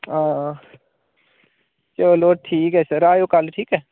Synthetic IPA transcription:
ɦãː | t͡ʃoːloːʈʰiːkɛːsəɾaːjoːkəlʈʰiːkɦɛː

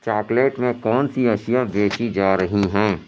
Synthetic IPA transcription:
t͡ʃaːkleːʈmẽkɔːnsiɐʃijabeːt͡ʃid͡ʒaːɾɐɦiɦɛ̃ː

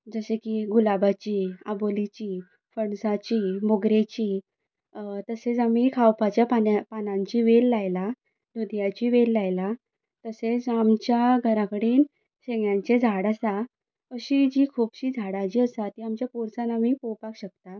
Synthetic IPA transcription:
d͡zəsekiːɡulabat͡ɕiːabolit͡ɕiː | fəɳsat͡ɕiːmoɡɾet͡ɕiː | t̪əset͡samikʰawpat͡ɕjapapanãɲt͡ɕiːʋelːajla | d̪ud̪jat͡ɕiːʋelːajla | t̪əset͡samt͡ɕjaɡʱəɾakəɽiːn | ɕeŋjaɲt͡sed͡zʱaɽasa | əɕiːd͡ʑiːkʰuːpɕiːd͡zʱaɽad͡ʑiːəsat̪iːamt͡ɕjapoɾt͡sanamiːpowpakɕək̚t̪a

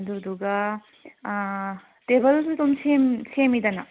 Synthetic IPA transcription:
d̪ud̪uɡɐ | tebɐlsut̪omsemsemid̪ɐnɐ

